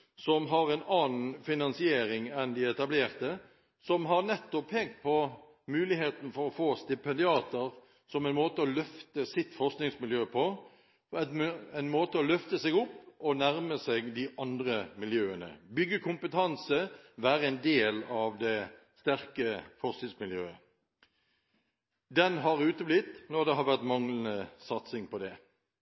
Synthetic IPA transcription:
sɔmɦɑɾɛnɑːnn̩fɪnɑnsɪeːɾɪŋɛnd̪ɪɛt̪ɑbleːɾt̪ə | sɔmɦɑɾnɛt̪ːɔpʰːeːɡpʰɔ | mʉːlɪheːt̪n̩fɔɾɔfoːst̪ɪpɛnd̪ɪɑːt̪əɾ | sɔmæɛɪnmoːt̪əɔlœft̪əsɪt̪fɔɾsknɪŋsmɪljøːpʰɔ | æɪnmoːt̪əɔlœft̪əsɛɡʊpːɔnæʁməsɛɡd̪ɪʔɑnd̪ʁəmɪljøːənə̰bʏɡːəkʰʊmpət̪ʰɑnsəʋæːɾəɛɪnd̪eːlɑʋd̪ɛ | st̪æʁkəfɔʁsknɪŋsmɪljø̰ːə | d̪ɛnɦɑʁʉːt̪əblɪt̪nɔʁd̪ɛɦɑʁʋæʁt̪mɑŋlənəsɑt̪sɪŋpʰɔd̪ɛ

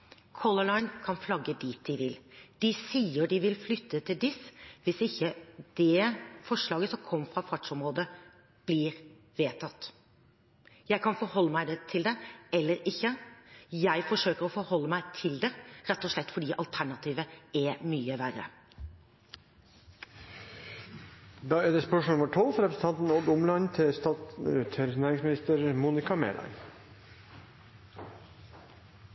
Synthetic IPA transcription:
kʰɔləlɑɪnkʰɑnflɑɡːəd̪iːt̪̚d̪ɪʋɪld̪̥ɪsiːəɖɪʋɪlflʏt̪ʰːət̪ʰɪld̪ɪsʋɪsɪçːəd̪̥ɛːfɔʂɭɑːɡəsɔmkʰɔmːəfɾɑfɑʈʂɔmɾoːd̪ə | b̥liɾ | ʋeːt̪ʰɑt̪ː | jæɪkʰɑnfɔɾhɔlːəmæɪd̪ɛt̪ʰɪld̪ɛɛlːəɾɪçːəjæɪfɔʂøːkəɾɔːfɔɾhɔlːəmæɪt̪ʰɪld̪ɛɾɛt̪ːɔːʂlɛt̪ːfɔɖiːʔɑlt̪ʰæɳɑt̪ʰiːʋəɛmyːəʋærə̰ | d̪ɑːæːd̪ɛspɔʂmɔʊməʈʰɔlfɔɾɛpɾəsn̩t̪ʰɑnt̪n̩ɔd̪ʊmlɑnt̪ʰɪst̪ɑt̪ʰɛɾnæːɾɪŋsmɪnɪst̪əɾmuːnɪkɑmḛːlɑ̰ɪ

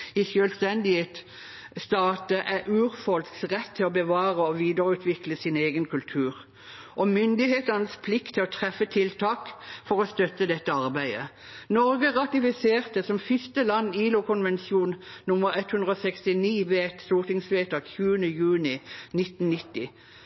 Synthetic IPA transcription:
ɪsjøːlst̪ɛnd̪ɪheːt̪ | st̪ɑːt̪əʔæɾʔʉːʁfɔlsʁɛt̪ʰːɪlɔbəʋɑːʁəɔʋiːd̪əʁəʉːt̪ʰʋɪkləsɪneːɡənkʰʉlt̪ʰʉːʁ | ʔɔmʏnd̪ɪheːt̪əʁnəspʰlɪkt̪ʰːɪlɔt̪ʰʁɛfːət̪ʰɪlt̪ʰɑːkfɔʁɔst̪œt̪ːəd̪ɛt̪ːəɑʁbæɪd̪ə̰ | nɔʁɡəʁɑt̪ɪfɪseːʁt̪əsɔmfɪst̪əlɑnːiːlʊkʰʊnʋɛnsjuːnnʊməʁɛt̪hʉnd̪ʁɔsɛkst̪ɪniːʋeɛt̪st̪uːʁt̪ɪŋsʋeːt̪ɑːkçʉːənəjʉːnɪnɪt̪n̩nɪt̪ːɪ

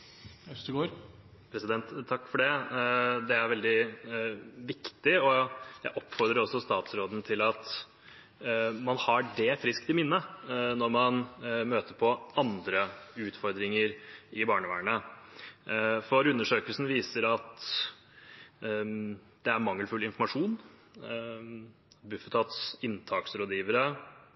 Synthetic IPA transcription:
t̪ɡoːɾ | pʰɾɛsɪd̪ɛnt̪ʰːɑkːfɔɖɛ | d̪ɛæɾʋɛld̪ɪ | ʋɪkt̪ɪɔjæɪʔɔpːfɔɾd̪ɾəɾɔsːɔst̪ɑːt̪sɾoːd̪n̩t̪ʰɪlɑt̪ | mɑnhɑɖɛfɾɪskt̪ɪmɪnːənɔɾmɑnmøːt̪əɾpʰɔɑnd̪ɾəʉːt̪fɔɾd̪ɾɪŋəɾɪbɑːɳəʋæ̰ːɳə | fɔɾʉnːəʂøːkəlsn̩ʋiːsəɾɑt̪ | d̪̥ɛæɾmɑŋːəlfʉlɪnfɔɾmɑʂuːn | bʉfət̪ʰɑt̪sɪnt̪ʰɑːksɾoːd̪jiːʋəɾə

